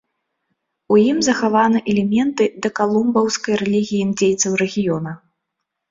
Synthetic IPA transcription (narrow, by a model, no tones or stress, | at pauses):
ujimzɐxavanɨʔɛlʲɛmʲɛnt̪ɨd̪ɐkalˠumbɐwskɐjɾɛlʲiɣʲijimd͡zʲejt̪sɐwɾɛɣʲijɔnɐ